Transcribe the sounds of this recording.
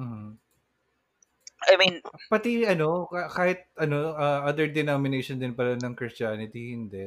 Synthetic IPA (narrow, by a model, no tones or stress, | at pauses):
m̩h̩ | ajminpɐt̪iʔɐno̞kakaːhɪt̪̚ɐnoʔɐʔɐd̪ɛɹd̪ɛnomɪnejʃond̪ɪnpɐlɐnɐŋkɾɪstaːnɪt̪ihɪnd̪ɛ